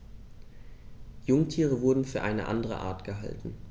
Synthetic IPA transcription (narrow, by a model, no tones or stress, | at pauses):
jʊŋtʰiːʁ̞əvʊɐdn̩fyːɐʔaɪnə̰ʔa̰ndəʁə̰ʔa̰ːɐtɡ̥əɦa̰ltn̩